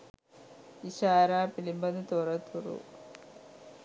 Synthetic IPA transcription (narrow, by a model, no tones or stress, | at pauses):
iɕaːɾaːpilimbɐnɨt̪urɐt̪ʰːurṵ